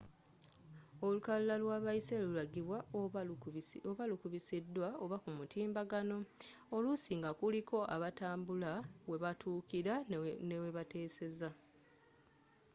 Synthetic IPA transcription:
o̞lukallalwaːβaise̞lulaɡiβwa | oβalukuβisidːwaoβakumutiːmbaɡano̞olusiːŋɡakuliko̞ʔaβataːmbulaweβatʰuːkiɾane̞we̞βate̞ːse̞za

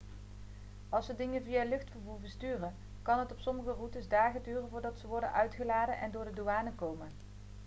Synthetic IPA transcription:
ɑlˠsʋədɪŋənvijalɵχtfəɹvuːɹvəstyːrən | kɑnɦətɔpsɔməχərutəzdaːχədyːrənvʊːɹdɑtsəʋɔɹdə̰nʔœɥtχəlaːdənʔɛndʊːɹdəduaːnəkowmən

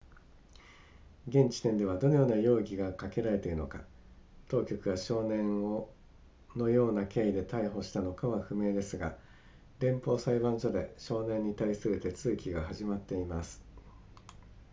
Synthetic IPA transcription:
ɡẽ̞ɲ̟t͡ɕi̥t̪ẽ̞nd̪e̞βad̪o̞no̞jo̞ːnajo̞ːɡʲiɡakake̞ɾaɾe̞t̪e̞ɾɯ̟no̞ka | t̪o̞ːkʲo̞kɯ̟βaɕo̞ːnẽ̞ɰo | no̞jo̞ːnakʰe̞ːid̪e̞t̪ʰaiɦo̞ɕi̥t̪ano̞kaβaɸɯ̟me̞ːd̪e̞sɨɡa | ɾẽ̞mpo̞ːsaibãɲd͡ʑo̞d̪e̞ɕo̞ːnẽ̞ɲ̟ːit̪aisɨɾɯ̟t̪e̞t͡sɨːkʲiɡaɦaʑimat̪ːe̞imasɨ̥

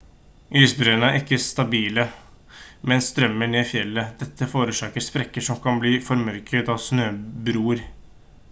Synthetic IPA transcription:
ʔyːsbɾøːənəæɾɪkːəst̪ɑbiːlə | mɛnsːt̪ɾœmːəɳeːfjɛlːəd̪̥ɛt̪ʰːəfoːɾəʂɑːkəɾspɾɛkːəʂɔmkʰɑnbliːfɔɾmœɾkʰət̪ɑʋsnøːbɾuːɾ

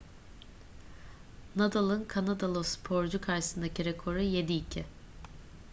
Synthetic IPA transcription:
nad̪alˠɯnkʰanad̪alˠospʰo̞ɾd͡ʒukʰaɾʃɯ̥sɯnd̪aciɾekʰo̞ɾɯje̞d̪iːcʰɪ

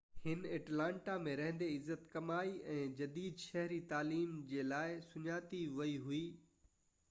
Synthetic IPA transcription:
hɪnɐʈlãːɳʈamẽɾɐɦə̃nd̪eɪzːət̪kɐmaːiɛ̃ːd͡ʑɐd̪iːd̪ʃɐɦɾit̪aːliːmd͡ʑeːlaːɪsʊɲaːt̪iʋɐiɦuiː

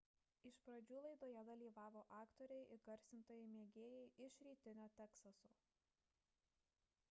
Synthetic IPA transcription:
ɪʃpɾɐd͡ʒʲuːlˠɐɪd̪oːjɛd̪ɐlʲiːʋɑːʋoːʔɑːkt̪ɔɾʲɛɪʔɪɡɐɾʲsʲɪnt̪oːjɛɪmʲeːɡʲeːjɛɪʔɪʃɾʲiːt̪ʲɪnʲoːt̪ʲɛksɐsoː

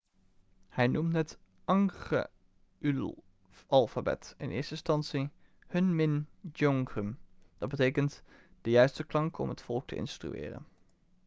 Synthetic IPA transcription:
hɛjnumtnɛt | ʔɑŋχə̰ | ʔyl | ʔɑlˠfabɛ̰tɪnʔɪ̰ːɹstəɪnstɑntsi | hɵnmɪnd͡ʒɔŋχəmd̥ɑd̚bətejkənt | d̥əjœɥstəklɑŋkɔ̰mɦətfɔlˠk̚tʰə̰ʔɪ̰nstry̰ɪ̰ːrə̰n

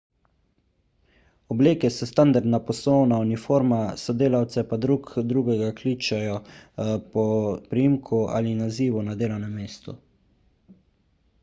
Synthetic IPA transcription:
ɔbleːkɛsɛst̪and̪aɾd̪napɔslɔwnaunifoːɾmasɔd̪eːlawt̪sɛpad̪ɾuːkd̪ɾuːɡɛɡakliːt͡ʃajɔpɔpɾijimkʰua̰linaziːʋunad̪eːlawnɛmːeːst̪u

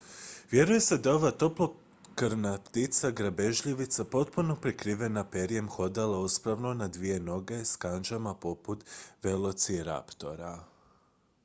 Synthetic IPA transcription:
ʋje̞ɾuje̞se̞d̪ao̞ʋat̪o̞plo̞ | kɾnat̪it̪saɡɾabe̞ʒʎiʋit̪sapo̞t̪punopɾikɾiʋe̞nape̞ɾije̞mxo̞d̪alˠauspɾaʋnonad̪ʋije̞no̞ɡe̞skand͡ʒamapo̞put̪ʋe̞lˠo̞t̪siɾa̰pt̪o̞̰ɾa

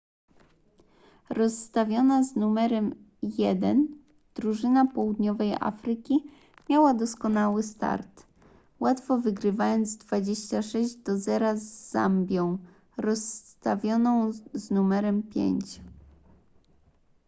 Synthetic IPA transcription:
ɾɔsːt̪avʲjɔnaznumɛɾɛm | jɛd̪ɛn | d̪̥ɾuʐɘnapɔwud̪ɲɔvɛjʔa̰fɾɘkʲi | mʲjawad̪ɔskɔnawɘst̪a̰ɾt̪ | wat̪fɔvɘɡɾɘvajɔnt̪zd̪vad͡ʑeɕt͡ɕaʂɛʑd͡ʑd̪ɔzɛɾazːa̰mbʲjɔ̃w̃ | ɾɔst̪avʲjɔnɔ̃w̃znumɛɾɛmpʲjḛɲt͡ɕ

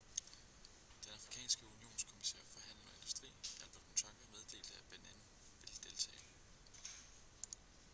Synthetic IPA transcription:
d̥enɑ̈fʁikʰɛ̰ːnsɡ̥əunio̝̰ːnskʰo̝misḛɐ̰fɒ̽ɦæn̰lənɒ̽e̝nd̥usd̥ʁḭːælb̥ɐd̥̚kʰont͡sʰɑ̈ŋɡ̥ɐmeð̞ˠd̥e̝̰ːld̥əæb̥enen | ʋe̝ld̥e̝lt͡sʰɛ̰ːl

